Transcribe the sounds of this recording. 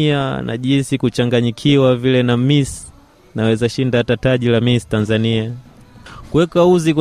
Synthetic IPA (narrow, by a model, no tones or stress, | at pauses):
ana̰ʄinsikut͡ʃaŋɡaɲikʰiwavilɛnamis | nawɛzaʃindatataʄilamistanzania | kuwɛkauzikw